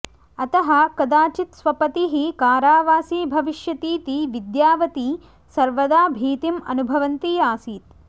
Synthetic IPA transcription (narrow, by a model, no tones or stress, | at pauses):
ɐt̪ɐɦɐ̆kɐd̪aːt͡ʃit̪sʋɐpɐt̪iɦikaːɾaːʋaːsiːbʱɐʋiʃjɐt̪iːt̪iʋid̪jaːʋɐt̪i | sɐɾʋɐd̪aːbʱiːt̪imɐ̰nubʱɐʋɐnt̪iaːsiːt̪̚